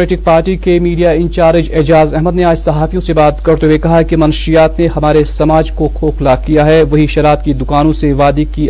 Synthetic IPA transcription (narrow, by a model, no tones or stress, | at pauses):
ɾeːʈɪk̚paːɾʈikemiːɖijaɪ̃nt͡ʃaːɾɪd͡ʒɛːd͡ʒaːzɛɦməd̪neaːd͡ʒsɐɦaːfijõsebaːt̪kɐɾt̪oekɐɦaɦkimɐnʃijaːt̪neɦɐmaːɾesɐmaːd͡ʒkoxʰoːxlakijaɦɛʋɐɦiʃɐɾaːt̪kid̪ʊkaːnõseʋaːd̪iki